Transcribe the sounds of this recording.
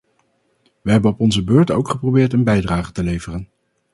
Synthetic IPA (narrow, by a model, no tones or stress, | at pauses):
ʋəɦɛbənɔpɔnzəbøːɹto̰wkχəprowbɪːɹtənbɛjdraːχətəlejvərən